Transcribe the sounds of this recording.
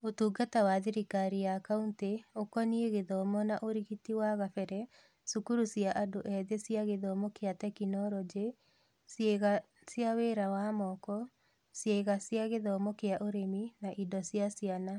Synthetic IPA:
otuːɡatawaðiɾikaɾijakaunteokɔnieɣeðɔmɔnaʔoɾiɣitiwaɣafɛɾɛ | sukuɾusjaʔadoʔɛðesiaɣeðɔmɔkeatɛkinɔɾɔd͡ʒe | seɣa | sjaweːɾawamɔkɔ | sjeɣasjaɣeðɔmɔkeaʔoɾeminaʔidɔsjasjana

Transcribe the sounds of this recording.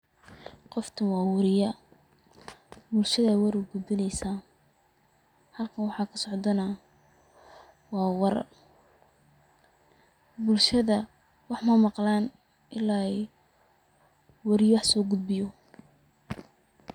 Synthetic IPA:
qɔft̪ʰɐnwɑːwɐɾɪjɐ | bʊlʃɐðɐwɐɾʊɡʊd̪̚bɪnɛjsaːn | hɐlkʰɐnwɑħɑːkʰɐsɔʕd̪ɐnɐ | wɑːwɑɾɐ̰r | bʊlʃɐðɐ | wɑħmɐmɑqlaːn | ʔɪlaː | wɑɾɪjwɑħsɔːɡʊd̪̚bɪjɔ

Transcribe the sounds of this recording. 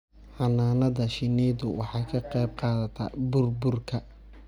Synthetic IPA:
ħɑnaːnɐðɐʃɪnɛːðʊwɑ̰ħɑjkʰɐqɛjb̚qɑːðɐt̪ʰɐ̰bʊrbʊrkʰɐ

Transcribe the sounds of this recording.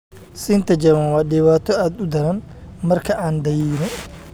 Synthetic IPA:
sɪnt̪ʰɐd͡ʒɐmanwaːdɪːwaːt̪ʰɔaːd̪ʊd̪ɐɾɐn | mɐrkʰɐʔaːnd̪ɐjiːnɪ

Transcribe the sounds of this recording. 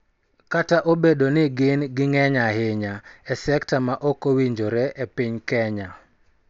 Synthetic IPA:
kataʔobedonɪɡɪnɡɪŋɛɲahɪɲaɛsɛktamaʔɔkowiɲd͡ʒoɾɛʔepiɲkɛɲa

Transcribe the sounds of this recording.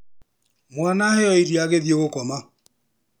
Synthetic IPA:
mwanahɛɔiɾiaɣeðjeɣokɔma

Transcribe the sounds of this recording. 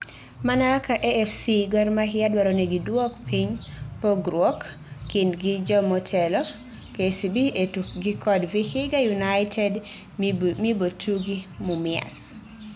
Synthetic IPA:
manakaʔeɛfsiɡɔrmaɦɪadwaɾoneɡidwokpiɲpoɡɾwokː | indɡid͡ʒɔmɔtʰɛlɔ | kesibietuɡikʰɔdvihɪɡajunaɪtʰɛd | mibotʰuɡimumɪa̰s

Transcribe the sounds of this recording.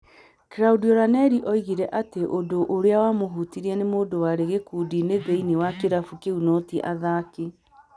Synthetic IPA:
keɾaudiɔɾanɛɾiʔɔiɣiɾɛʔateʔondoʔoɾeawamoɦutiɾiɛnemoːndowaɾeɣekuːdineðeiniwakeɾafukeunɔtiʔaðake

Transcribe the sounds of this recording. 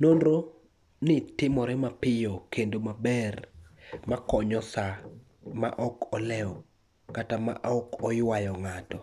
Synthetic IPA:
nonɾo | nɪtɪmɔɾɛmapɪjɔkendomabɛrmakɔɲɔsa | ma̰ʔɔkɔlɛɔ | katama̰ʔɔkɔjwajɔŋatɔ

